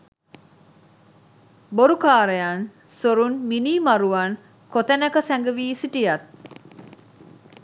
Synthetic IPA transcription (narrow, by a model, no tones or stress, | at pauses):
boɾukaːɾejan | soɾunminiːmaɾuʋɐn | kot̪ɐnɐkəsɛŋɡəʋiːsiʈijɐt̪